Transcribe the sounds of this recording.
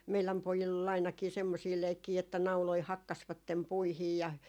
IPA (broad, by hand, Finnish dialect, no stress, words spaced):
meilæm pojilː ol ɑinɑkiː semːosiː leikːiː etːæ nɑuloi hɑkːɑsʋɑtːem puihiː jɑ